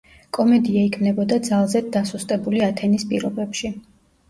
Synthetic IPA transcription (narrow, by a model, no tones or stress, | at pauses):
kʼɔmɛd̪iaikʰmnɛbɔd̪ad̪zalˠzɛd̪asust̪ʼɛbuliat̪ʰɛnispʼḭɾɔbɛpʃi